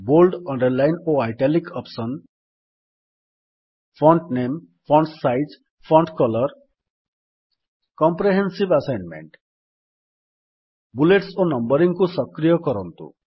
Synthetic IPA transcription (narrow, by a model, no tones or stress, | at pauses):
bolɖʌɳɖəɾlajnoajʈalikɔpsɔn | pʰɾɔɳʈnem | pʰɾɔɳʈsajd͡ʒ | pʰɔɳʈkɔlɔɾ | kɔmpɾeɦensibasajnmḛɳʈ | buleʈsonʌmbʌɾiŋkusʌkɾijɔkɔɾɔnt̪ṵ